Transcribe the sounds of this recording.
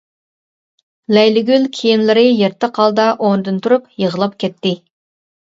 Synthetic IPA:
lɛjlɪɡʲylkʲʰejinlɪɾɨjeɾt̪ʰːəqʰɑlˠd̪ɑʔond̪ɨnt̪ʰuɾupjəʁəlˠɑp̚kʲɛt̪ʰːɪ

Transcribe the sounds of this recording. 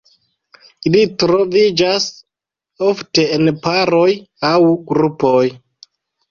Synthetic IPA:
ilitɾo̞vid͡ʒas | o̞fte̞enpaɾoj | awɡɾupo̞j

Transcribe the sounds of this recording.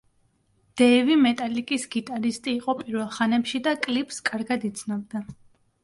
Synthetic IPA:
d̪̥ɛvimɛt̪ʼalikʼisɡit̪ʼaɾist̪ʼiːqʼɔpʼiɾvɛlˠχanɛpʃid̪akʼlipʼskʼaɾɡad̪it̪sʰnɔbd̪a

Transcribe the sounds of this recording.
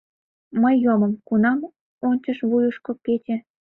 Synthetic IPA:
məjːoməmkunɑm | onʲt͡ɕəʃβujuʃkŏket͡ɕĕ

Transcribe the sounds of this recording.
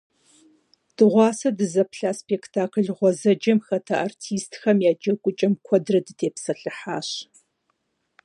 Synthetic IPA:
d̥ɨʁʷɑːsɐdɨzɐpɬaːspektʰaːkʰɨɮʁʷɔzɐd͡ʒɐmxɐtʰɐʔartʰiːstʰxɐmjaːd͡ʒɐkʷʼʊt͡ʃʼɐmkʷʰɔdrɐdɨtʰeːpsɐɬɨħa̰ːɕ

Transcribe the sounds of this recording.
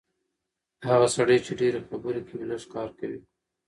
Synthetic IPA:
haɣasaɽəjt͡ʃeɖeɾexabuɾekiwlaskɑːɾkawi

